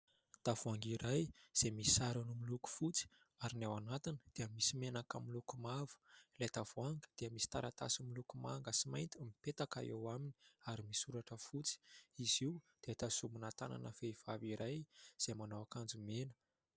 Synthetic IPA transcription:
t̪av̥uaŋɡiɾajz̥emisaɾanumiluku̥fut͡si̥ | aɾinawanat̪inəd̪̥eəmisimenakamilukumavu̥let̪av̥uaŋɡəd̪̥eəmisi̥t̪aɾat̪a̰similukumaŋɡəsimajnt̪amipet̪aka̰ḛwamini̥aɾimisuɾaʈ͡ʂəfut͡si̥iziud̪̥et̪asumunat̪ana̰nəfeiv̥aviɾajz̥emanoakand͡zumenə̥

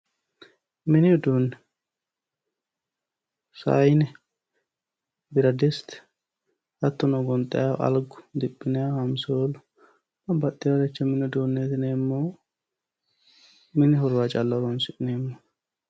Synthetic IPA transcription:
mɪnɪd̪uːnːɛ | sa̰jnɛ | bɪɾɐd̪ɛst̪ | ɐt̪ːɔnɔɡɔnt̪ʼɛjaɐ̰lɡʊ̥d̪ɪpʼːɪnɛahɐmsoːl | ɐbɐt̪ːɪwɐɾɛt͡ʃːɐmɪnɪd̪uːnːeːt̪ɪneːmːo | mɪnɪɦɔɾaːt͡ʃʼɐlːɐɾonsɪneːmːo

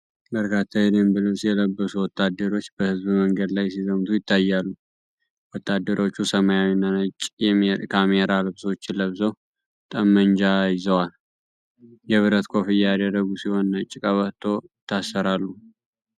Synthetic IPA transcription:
bəɾkʰat̪ʰːad̪embɨləwsjɛləbːəsuwɔt̪ʰːad̪ːəɾo̞t͡ʃːbəhɨzbɨməŋɡəd̪lajsizəmt̪ʰujɪt̪ʰːajːalːu | wɔt̪ːad̪ːəɾo̞t͡ʃːusəmajawinːanət͡ʃʼɛkʰameɾalɨbso̞t͡ʃːləβzəw | t̪ʼəmːənd͡ʒajɪzəwal | jɛβɨɾət̪kʰo̞fɨjːad̪əd̪əɡusiho̞nːət͡ʃʼːɪkʼəβət̪ʰo̞ɪt̪ʰːasːəɾalːu

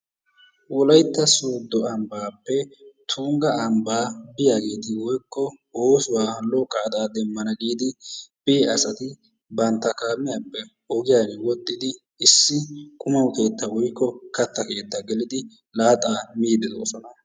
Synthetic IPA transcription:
wɔlɐjt̪ːɐsoːd̪ːɔɐmbaːpːɛt̪ʰuːŋɡɐɐmbaːbɪjaːɡe̞ːt̪ɪwɔjkːɔoːsʊwaːlɔkʼːaːd̪aːd̪ɛmːɐnɐɡiːd̪ɪb̥eːɐsɐt̪ɪ | bɐnt̪ːɐkaːmːɪjapːɛ | ɔɡɪjaːɡɛwɔt̪ʼːɪd̪ɪː | sːɪkʼʊmɐwke̞ːt̪ːɐwɔjkːɔkɐt̪ːɐke̞ːt̪ːɐɡɛlɪd̪ɪ | laːt̪ʼaːmiːd̪ɛd̪o̰ːsɔnɐ

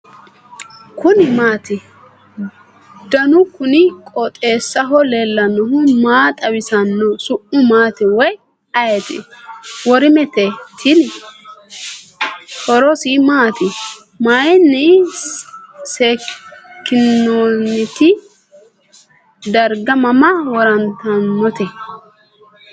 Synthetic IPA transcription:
kʊnɪmaːt̪ɪ | d̪ɐnʊkʊnɪkʼɔt̪ʼe̞ːsːɐɦɔlelːɐnːɔɦʊmaːt̪ʼɐwɪsɐnːɔsʊʔʊmaːt̪ɪwɔj | ɐjɛt̪ɪ̰wɔɾɪmɛt̪ɛt̪ʰɪn | hɔɾɔsimaːt̪ɪ | majɛnːɪ | seːkːɪnːoːnːɪt̪ɪ | d̪ɐɾɡɐmɐmɐwɔɾɐnt̪ɐnːɔt̪ɛ

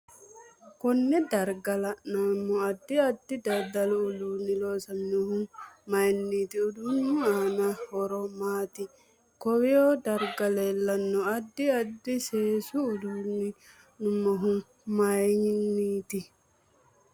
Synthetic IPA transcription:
kɔnːɛdaɾɡalananːɔadːiadːidadalulunilɔsamnuhummajinːiːtiudunːuanahɔɾɔmaːt̪i | kɔwɛɔdaɾɡalɛlːanːɔadːiadːisɛːsuːdunːi | numːɔɦun | majɲinːiːti

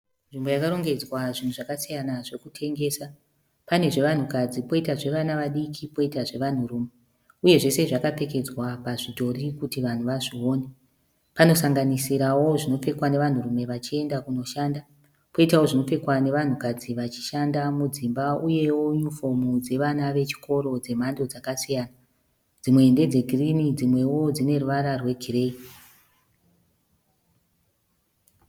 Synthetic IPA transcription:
nʐimbo̞jakaɾo̞ŋɡe̞d͡zwaʐin̤uʐakasijanaʐe̞kutʰe̞ŋɡe̞ːsa | pane̞ʐe̞ʋan̤ukad͡zipo̞itaʐe̞ʋanaʋaɗikʰipo̞itaʐe̞ʋan̤uruːme̞ | uje̞ʐe̞se̞ʐakape̞ke̞d͡zwapaʐidʱo̞rikutiʋan̤uʋaʐio̞ːne | pano̞saŋɡanisiɾawo̞ʐino̞p͡fe̞kwane̞ʋan̤urume̞ʋat͡ʃie̞ndakuno̞ʃanda | po̞itawo̞ʐino̞fe̞kwane̞ʋan̤ukad͡ziʋat͡ʃi̥ʃandamud͡zimbauje̞wo̞ufo̞mud͡ze̞ʋanaʋe̞t͡ʃi̥kʰo̞ɾo̞d͡ze̞m̤ando̞d͡zakasijaːna | d͡zimwe̞ːnde̞d͡ze̞ɡʱirinid͡zimwe̞wo̞d͡zine̞ruʋaɾarwe̞ɡʱire̞i

